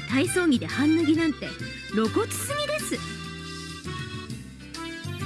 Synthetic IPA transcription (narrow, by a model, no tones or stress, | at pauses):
t̪aiso̞ːŋ̟ʲid̪e̞hãnːaɡʲinãnt̪e̞ | ɾo̞ko̞t͡sɨ̥sɨmʲid̪e̞sɨ